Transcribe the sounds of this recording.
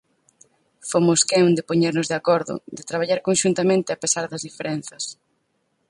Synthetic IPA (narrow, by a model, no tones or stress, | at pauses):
fomʊskɛõnd̪epoɲeɾnʊzðeakɔɾðʊ̰d̪ɪt̪ɾaβ̞aʎaɾkonʃunt̪amẽnt̪ɪapesaɾðɐzðifeɾɛn̟θɐs